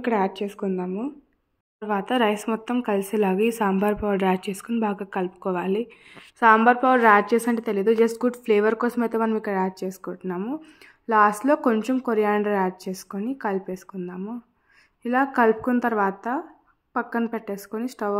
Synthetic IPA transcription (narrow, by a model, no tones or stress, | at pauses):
ikːɐɽaːʈ̚t͡ʃe̞ːsu̥kund̪aːmu | t̪ɐɾʋaːt̪ɐɾɐjsmɔt̪ːɐmkɐlisilaːɡaiːsaːmbɐɾpɐʋɐɾɾaːʈ̚t͡ʃe̞ːsu̥konibaːɡaːkɐlpu̥kɔːʋaːli | saːmbɐɾpɐʋɐɾaːʈ̚t͡ʃeːsɐɳʈet̪eliɐd̪ud͡ʒɐsʈɡuɖpʰleːʋɐɾkɔːsɐmɐjt̪e̞ːmɐnɐmikːɐɽɐaːʈ̚t͡ʃe̞ːsu̥kɔːʈːunːaːmu | laːsʈlo̞ːko̞ɲt͡ʃemkoɾijaːɳɖɐɾaːʈ̚t͡ʃe̞ːsu̥konikɐlpe̞ːsu̥kund̪aːmu | ilaːkɐlpu̥kunɐt̪ɐɾʋaːt̪ɐ | pɐkːɐnpeʈːeːsu̥konisʈɐ